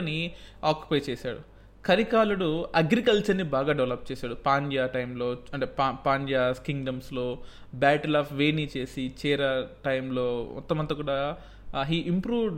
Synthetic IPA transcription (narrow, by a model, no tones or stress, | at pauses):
niaːkju̥pɐjt͡ʃeːsa̰ːɽu | kʰɐɾikaːluɽuɐɡɾikɐlt͡ʃɐɾnibaːɡaːɖɐʋlɐp̚t͡ʃeːsaːɽupaːɲd͡ʒaːʈɐjmlo̞ːɐɳʈeːpːpaːɲd͡ʒaːskiŋɡɖɐmslo̞ː | baːʈɐlaːfʋeːniːt͡ʃe̞ːsit͡ʃɛːɾɐʈɐjmlo̞ːmɔ̰t̪ːɐmɐnt̪ɐkuːɽaː | ɦiːʔimpɾuːʋɖ